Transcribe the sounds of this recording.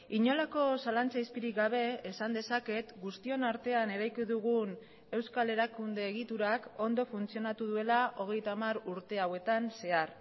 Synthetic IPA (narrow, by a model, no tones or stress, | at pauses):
iɲo̞lako̞salant͡saispiɾikɡaβ̞e̞ːsand̪e̞sake̞t̪ɡust̪io̞naɾt̪e̞ane̞ɾajkiðuɣ̞un | e̞wskale̞ɾakund̪e̞ːɣit̪uɾako̞nd̪o̞funt͡sio̞nat̪uð̞ue̞laʔo̞ɣ̞e̞jt̪amaɾuɾt̪e̞awe̞t̪anse̞ar